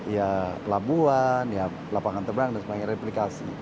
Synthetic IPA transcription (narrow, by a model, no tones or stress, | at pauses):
ijalabuanja | lapaŋant̪ərbaŋdaŋsəpaiŋreplikasi